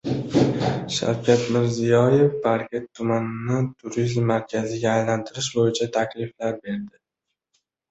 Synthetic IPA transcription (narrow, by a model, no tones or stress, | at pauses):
ʃa̰wkʲʰat̪mɪɾzɪjɒje̞fbaɾkʲet̪ʰːʊmanɪnɪt̪ʰʊɾizmːaɾkʲʰazɪɡʲaːjlant̪ʰɪɾɪʃbojɪt͡ʃʰat̪ʰakʲlɪflaɾbe̞ɾd̪ɪ